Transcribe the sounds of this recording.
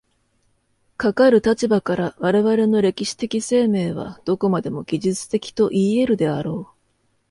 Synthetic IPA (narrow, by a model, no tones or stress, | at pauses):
kakaɾɯ̟t̪at͡ɕibakaɾaβaɾe̞βaɾe̞no̞ɾe̞kʲiɕi̥t̪e̞kʲise̞ːme̞ːβ̞a̰d̪̥o̞ko̞mad̪e̞mo̞ɡʲiʑɨt͡sɨ̥t̪e̞kʲi̥t̪o̞ʔiːe̞ɾɯ̟d̪e̞aɾo̞ː